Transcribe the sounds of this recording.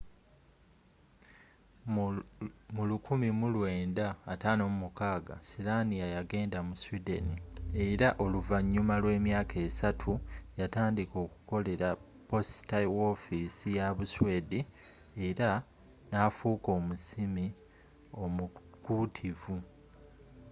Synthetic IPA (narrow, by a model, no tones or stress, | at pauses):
mulukʰumimulwe̞ːndaːtaːno̞mumukaːɡa̰silanijajaɡe̞ːndamuswidenieɾaʔo̞luvaɲːumalwe̞ːmjaːkʰe̞ːsatʰujataːndiko̞ːku̥ko̞le̞ɾa | po̞staiwo̞fisijaβuswe̞ːdi | e̞ɾa | nafuːko̞ːmusimi | omu | kutʰivu